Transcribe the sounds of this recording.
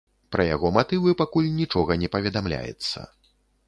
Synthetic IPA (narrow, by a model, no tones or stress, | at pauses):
pɾɐja̰ɣɔmat̪ɨvɨpakulʲnʲit͡ʂɔɣɐnʲɛpɐvʲɛd̪amlʲa̰jɛ̰t̪sːɐ̰